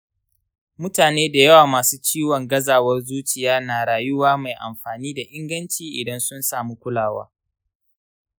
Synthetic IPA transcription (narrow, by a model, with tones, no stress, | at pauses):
mʊ˦taː˨neː˦da˨jɐ˦waː˨maː˨suː˦t͡ʃiː˦wɔ˨ŋɡɐ˦zaː˨wɐ˦rzuː˦t͡ʃɪ˨jaː˦naː˨ɽaː˨jʊ˦waː˦ma˨jʔa̰˨mɸaː˨niː˦da˨ʔɪ˦ŋɡɐ˦nt͡ʃiː˨ʔɪ˨dɐ˦nsʊ˦nsaː˨mu˦kʷʊ˦laː˨wa̰ː˦